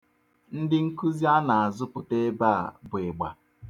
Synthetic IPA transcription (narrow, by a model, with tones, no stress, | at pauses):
n̩˦dɪ˦ŋ̩˦ku˦zi˦a˦na˨a˨zʊ˦pʊ˨te˦ba˦a̰˨bʊ˨e˨ɡ͡ba˨